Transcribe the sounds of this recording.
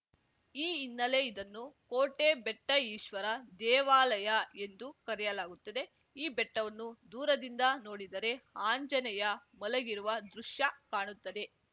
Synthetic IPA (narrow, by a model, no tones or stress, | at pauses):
iːinːɐle̞id̪ɐnːukoːʈe̞bɛʈːɐiːʃʋɐɾɐd̪ɛːʋaːlɐjɐe̞nd̪ukɐɾɛjɐlaːɡut̪ːɐd̪e̞ | iːbɛʈːɐʋɐnːud̪uːɾɐd̪ind̪ɐno̞ːɽid̪ɐɾe̞aːɲd͡ʒɐnɛjɐmɐlɐɡiɾuʋɐd̪ɾuʂjɐkaːɳut̪ːɐd̪e̞